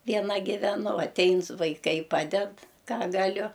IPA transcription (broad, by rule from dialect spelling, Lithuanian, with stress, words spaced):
ʋʲiɛˈnɐ ɡʲɪʋʲɛˈnʊ ɐˈtʲɛɪn sʊ ʋɐɪˈkɐɪ ˈpɑːdʲɛt ˈkɑː ɡɐˈlʲʊ